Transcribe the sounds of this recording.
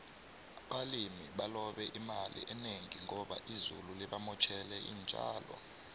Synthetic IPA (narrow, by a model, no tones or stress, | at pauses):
aɓalimiɓalɔɓɛʔimalḭʔɛneŋiŋɔɓaʔizṵlulɛɓamɔt͡ʃʰɛlɛḭːnd͡ʒʼʱa̰ːlɔ̰